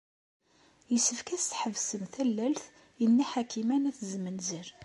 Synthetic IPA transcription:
jəsːəfkæst̪ħəvsəmθælːælθ | jənːiħakːimænæθzmənziɾ

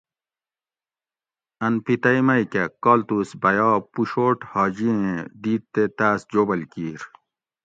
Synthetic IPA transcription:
ɐnpit̪ɐjmɐjkɐkɔːlt̪usbɐjɑːpuɕoːʈhɑːd͡ʑiẽd̪iːt̪̚t̪et̪aːsd͡ʑoːbɐlkiːɾ

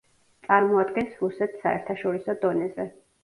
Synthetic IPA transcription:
t̪sʼaɾmɔad̪ɡɛnsɾusɛt̪ʰsaɛɾt̪ʰaʃɔɾisɔd̪ɔnɛzɛ

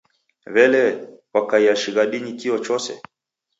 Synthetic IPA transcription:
βɛlɛwakaiaʃiɣaɗiɲikiɔt͡ʃɔsɛ̰

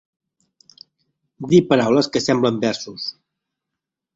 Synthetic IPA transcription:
d̪ipəɾawləskəsɛmbləmbɛɾsus

